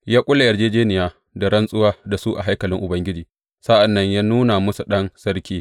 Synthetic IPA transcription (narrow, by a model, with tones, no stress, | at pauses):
jaː˦kʷʼʊ˦lːa˨jɐ˨d͡ʒeː˦d͡ʒeː˦nɪ˨jaː˦ | da˨ɾɐ˦nsʼʊ˦waː˦da˨su˦ʔa˨ɦa˦jkɐ˨lɪ˦ŋʔʊ˨bɐ˦ŋɡʲɪ˦d͡ʒiː˨ | sa˦ʔa˨nːɐ˦ɲjaː˦nuː˦na˨mʊ˦su˨ɗɐ˦nsɐ˦ɽkʲiː˦